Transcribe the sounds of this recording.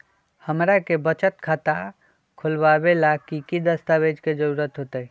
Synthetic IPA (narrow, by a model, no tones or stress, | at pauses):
həmɾakebət͡ʃət̪kʰat̪a | kʰulbabelakikid̪əst̪abed͡ʒked͡ʒəɾuɾət̪ɦot̪əj